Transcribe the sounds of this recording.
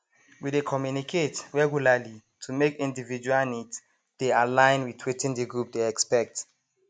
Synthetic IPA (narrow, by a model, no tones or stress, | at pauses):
widekʰɔmjunikʰetɹɛɡjulalitʰumekĩndivid͡ʒuwalnids | d̥ealãjnwitʰwitĩndiɡɹup̚deɛkspɛk̚t